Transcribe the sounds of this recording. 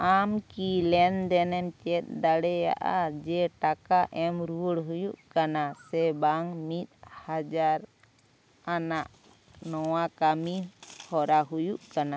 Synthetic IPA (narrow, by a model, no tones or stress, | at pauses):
amkilɛnd̪ɛnɛmt͡ʃɛt̪̚ˀd̪aɽɛja̰ʔa̰d͡ʒɛʈakaʔɛmɾuɽɦujuʔkanasɛbaŋmit̪̚had͡ʒaɾ | anaʔ | nɔwakamihɔɾaɦujuʔkana